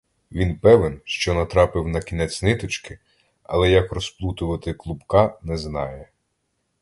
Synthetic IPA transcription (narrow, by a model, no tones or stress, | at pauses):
ʋʲinpɛʋenʃt͡ʃɔnɐt̪ɾɑpɪwnɐkʲinɛt͡sʲnɪt̪ɔt͡ʃkɪ | ɐ̰lˠɛjɐkrɔsplˠut̪ʊʋɐt̪ɪklˠʊbkɑnɛznɑjɛ